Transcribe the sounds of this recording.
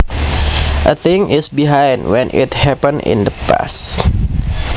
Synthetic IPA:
ʔəθɪ̃ŋɪsbiɦãjndwɛ̃nʔɪ̰thɛpə̃nɪ̰̃nd̪əpa̰s

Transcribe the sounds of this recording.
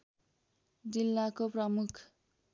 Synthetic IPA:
d͡zilːakoprʌmukʰ

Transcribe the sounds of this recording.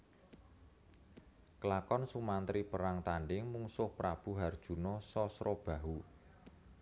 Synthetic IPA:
kəlakɔnsumant̪ɾipəɾaŋt̪anɖɪŋmuŋsʊhpɾab̥ṳɦard̥ʒ̥ṳnɔsɔsɾɔb̥a̤ɦu

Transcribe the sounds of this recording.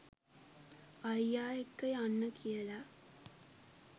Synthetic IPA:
ajjaːekːəjanːəkʰijəla

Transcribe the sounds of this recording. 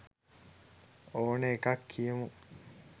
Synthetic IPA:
oːnəekakːijemu

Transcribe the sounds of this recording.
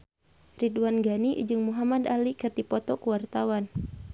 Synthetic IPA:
ridwanɡaniʔd͡ʒɨŋmuɦamadalikɨrdipɔt̪ɔkuwart̪awan

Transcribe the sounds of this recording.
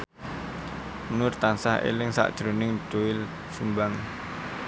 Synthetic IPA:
mnʊrt̪ansahḛlɪŋsa̰ʔd̥ʒ̥ɾonɪŋɖ̥oɪl | sumbaŋ

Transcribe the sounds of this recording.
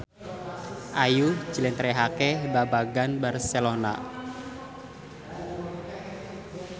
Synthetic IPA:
ʔaju̥d͡ʒ̥ilɛnt̪ɾɛɦakɛbabaɡanbarselona̰

